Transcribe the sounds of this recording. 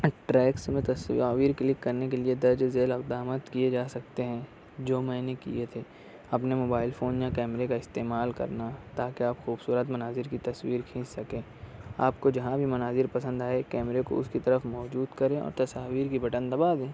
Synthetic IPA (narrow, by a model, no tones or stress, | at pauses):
ʈɾɛːksmẽt̪ɐsaːʋiːɾklɪkːɐɾnekelied̪ɐɾd͡ʒzeːlɐqd̪aːmət̪kied͡ʒaːsɐk̚t̪eɦɛ̃ | d͡ʒoːmɛ̃ːnekḭjet̪ʰeː | ɐpnemoːbaːɪlfʰoːnjakɛːmɾekaɪst̪eːmaːlkɐ̰ɾnat̪aːkeaːpxuːbsuːɾət̪mɐnaːzɪɾkit̪ɐswiːɾkʰẽːssɐkẽː | aːpkod͡ʒɐɦãbʱimɐnaːzɪɾpɐsə̃nd̪aːekɛːmɾeko̰ʊskit̪ɐɾəfmɔːd͡ʒuːd̪kɐɾẽɔ̰ːɾt̪ɐsaːʋiːɾkibɐʈə̃nd̪ɐbaːd̪ẽː